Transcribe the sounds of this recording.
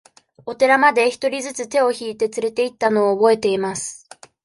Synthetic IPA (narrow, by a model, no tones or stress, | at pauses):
o̞t̪e̞ɾamad̪e̞çi̥t̪o̞ɾʲizɨt͡sɨt̪e̞o̞çiːt̪e̞t͡sɨɾe̞t̪e̞it̪ːano̞ːbo̞e̞t̪e̞imasɨ̥